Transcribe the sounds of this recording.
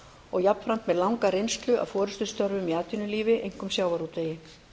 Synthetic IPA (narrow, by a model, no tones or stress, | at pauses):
ɔɣjapn̥fɾan̥t̪mɛðlawŋkaɾejnst̪lʏʔa̰wfɔːɾʏst̪ʏst̪œɾvʏmiaːt̪ʏnʏliːvɪʔejŋ̥kʏmsjaːwvaɾut̪eːjɪ